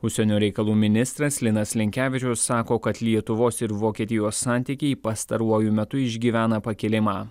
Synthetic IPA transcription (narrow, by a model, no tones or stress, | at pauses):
ʊʃʲsʲɛnʲoːɾʲɛɪkɐlˠuːmʲɪnʲɪst̪ɾɐslʲɪnɐslʲɪŋʲkʲæːʋʲɪt͡ʃʲʊsːɑːkoːkɐt̪lʲiɛt̪ʊʋoːsɪɾʋoːkʲiɛt̪ʲɪjoːsːɑːˑnʲt̪ʲiːkʲɛɪpɐst̪ɐɾuɔjʊmʲɛt̪ʊɪʒʲɡʲiːʋʲæːnɐpɐkʲɪlʲɪmɑː